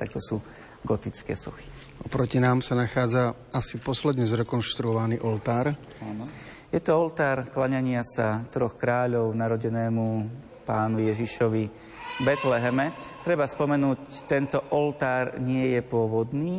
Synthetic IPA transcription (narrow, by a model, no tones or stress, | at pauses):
t̪a̰k̚t̪ɔsuː | ɡɔt̪it͡skɛ̰ːsṵxi̥ | ʔɔpɾɔcinaːmsanaxaːd͡za | asipɔslɛd̪ɲɛzɾɛkɔnʃt̪ɾuɔʋaniːʔɔlt̪aːɾ | an | jɛt̪ɔɔlt̪aːɾklaɲaɲɪasat̪ɾɔxkɾaːʎɔʊnaɾɔɟɛnɛːmu | paːnujɛʒiʃɔʋi | bɛt̪lɛɦɛmɛt̪ɾɛbaspɔmɛnuːct̪ɛnt̪ɔʔɔlt̪aːɾɲɪɛjɛpʊɔʋɔd̪niː